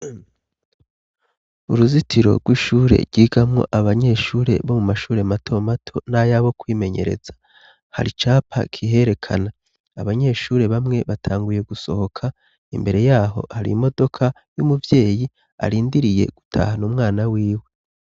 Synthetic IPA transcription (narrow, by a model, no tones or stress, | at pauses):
uɾuzitʰiɾo̞̰ɾɡwiʃuːɾe̞̰ɾɡiːɡamŋo̞̰ʔaβaɲe̞ʃuːɾe̞̰βo̞mumaʃuːɾe̞matʰo̞matʰo̞najaβo̞kwiːme̞ɲe̞̰ɾe̞̰z̥ḁ | ha̰ɾit͡ʃaːpʰa̰kʰiɦe̞ɾe̞kʰa̰naː | βaɲe̞ːʃuːɾe̞βamŋe̞βatʰaːŋɡuje̞ɡuso̞ho̞kʰa | imbe̞ɾe̞jaːɦo̞̰haɾḭmo̞do̞kʰa | jumuvje̞ːji | a̰ɾiːndiɾije̞̰ɡ̥utʰa̰ːhanumŋaːnawiːwe̞